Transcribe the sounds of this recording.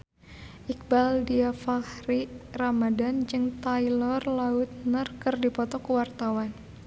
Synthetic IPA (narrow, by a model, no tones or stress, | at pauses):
ʔik̚baldiafahriramadand͡ʒɨŋt̪ailɔrlaut̪̚nərkɨrdipɔt̪ɔkəwart̪awan